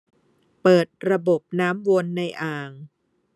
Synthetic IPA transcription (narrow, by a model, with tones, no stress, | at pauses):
pɤː˨˩t̪̚ɾa˧bo˨˩p̚naː˦˥mwo˧nːa˧jʔaː˨˩ŋ